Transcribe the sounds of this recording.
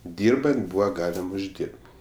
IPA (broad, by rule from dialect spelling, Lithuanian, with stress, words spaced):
ˈdʲiːrbɐnt ˈbuːʋɐ ˈɡɑːlʲɪm ʊʒʲˈdʲiːrp